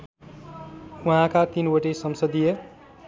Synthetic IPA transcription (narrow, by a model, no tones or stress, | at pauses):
uɦãkat̪inwoʈesʌmsʌd̪ijʌ